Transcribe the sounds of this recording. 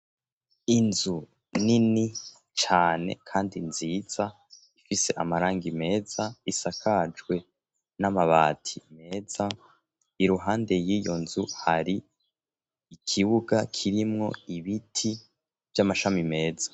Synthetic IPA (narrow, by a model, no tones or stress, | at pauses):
inzu | nini | t͡ʃaːne̞̰kʰaːndinziːz̥a | ifise̞ʔamaɾaːŋɡime̞ːz̥aisakʰad͡ʒɡwe̞ | namaβaːtʰime̞ːz̥a | iɾuɦaːnde̞jijo̞nzuhaɾi | ikʰiβuɡakʰiɾimŋo̞iβitʰi | v̥jamaʃamime̞ːzḁ